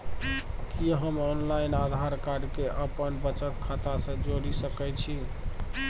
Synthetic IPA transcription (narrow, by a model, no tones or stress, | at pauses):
kiɦəmɔnlajnad̪ʱaɾkaɾkeʔəpənbət͡ʃət̪kʰat̪asə̃d͡ʒoɽisəkɛt͡ʃʰi